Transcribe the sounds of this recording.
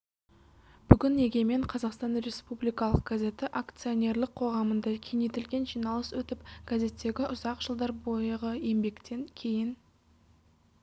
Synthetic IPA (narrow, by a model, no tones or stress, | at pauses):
b̥ʏɡʲɪne̞ɡʲe̞me̞ɴqʰɑzɑqst̪ɑnɾe̞spublijkɑlˠəq̚ɡ̥aze̞t̪ɪʔakt̪sɨio̞ne̞ɾlˠɪqʰo̞ʁɑmənd̪ɑkʲʰe̞net̪ɪlɡʲe̞nʒijnɑlˠəswɵt̪ɪpɡ̥aze̞t̪ːe̞ɡʲɪʔʊzɑqʒ̥əlˠd̪ɑɾbo̞jəʁəje̞mbe̞kt̪e̞ŋkʲʰe̞jɪn